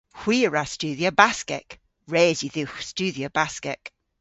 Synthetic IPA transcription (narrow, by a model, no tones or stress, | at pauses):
hw̥iːɹast͡ʃʉːðiobaskɛ̰k | ɹeːziðuxst͡ʃʉːðiob̥askɛ̰k